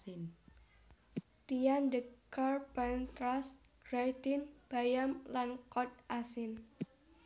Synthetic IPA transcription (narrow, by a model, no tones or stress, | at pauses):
n | t̪ijandəkarpant̪ɾas | ɡ̥ɾajt̪ɪnb̥ajamlankɔt̪̚ʔasɪn